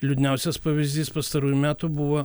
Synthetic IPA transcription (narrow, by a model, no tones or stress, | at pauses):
lʲʊd̪ʲnʲɛʊsʲɛspɐʋʲɪzʲd̪ʲiːspɐst̪ɐɾuːjʊmʲæːt̪ubuʋo